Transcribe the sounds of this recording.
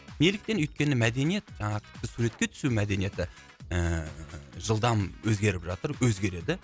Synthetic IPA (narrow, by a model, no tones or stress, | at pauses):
ne̞lɪk̚t̪e̞nʏjt̪̚kʲe̞nɪmæd̪e̞nije̞t̪ʒɑɴɑt̪ʲʰɪ̥p̚t̪ɪsuɾe̞t̪̚kʲe̞t̪ʰʏ̥sumæd̪e̞nije̞t̪ɪ | ə | ʒəlˠd̪ɑmwɵzɡʲe̞ɾɪpʒɑt̪əɾwɵzɡʲe̞ɾe̞d̪ɪ